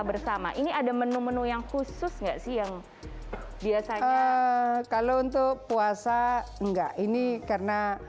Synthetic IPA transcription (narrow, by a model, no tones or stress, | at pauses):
bərsama̰ʔiniadamənumənujaŋhusʊsŋɡaʔsɪhjaŋ | biasaə | kalount̪ʊk̚puasaəŋɡaʔinikarəna